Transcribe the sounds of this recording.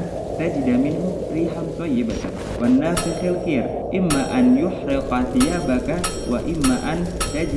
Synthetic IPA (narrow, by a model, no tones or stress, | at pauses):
t̪ad͡ʒɪd̪amɪnɦʊ | ɾiːħant̪ˤɑjːɪbat̪ | wanːaːfɪqalkiːɾ | ʔɪmːaːʔanjʊħɾɪqɑθɪjaːbaka | waʔɪmːaʔant̪ad͡ʒ